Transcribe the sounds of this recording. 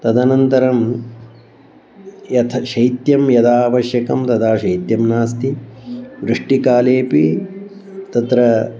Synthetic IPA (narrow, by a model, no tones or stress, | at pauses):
t̪ɐd̪ɐnɐnt̪ɐɾɐm | jɐt̪ʰɐʃɐjt̪jɐmjɐd̪aːʋɐʃjɐkɐmt̪ɐd̪aːʃɐjt̪jɐmnaːst̪iʋɾɨʂʈikaːleːpi | t̪ɐt̪ɾɐ